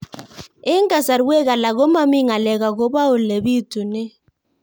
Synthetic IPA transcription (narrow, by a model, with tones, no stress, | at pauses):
ɛ˦ŋɡa˨sa˨ɾwɛ˦k̬a˨la˨kɔ˦ma˦mi˦ŋa˨lɛ˨ka˨k̬ɔ˦ɓa˦u˨le˨βi˦tʰʼu˨nɛ˦